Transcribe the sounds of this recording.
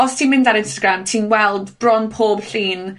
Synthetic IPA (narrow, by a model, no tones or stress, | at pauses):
ɔstʰiːmɪ̃ndaɾɪ̃nstaɡɾamtʰiːnwɛlˠdb̥rɔnpʰoːbɬiːn